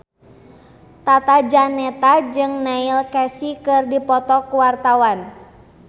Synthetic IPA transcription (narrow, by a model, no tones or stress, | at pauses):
t̪at̪ad͡ʒanɛt̪ad͡ʒɨŋnailkɛsikɨrdipɔt̪ɔkuwart̪awan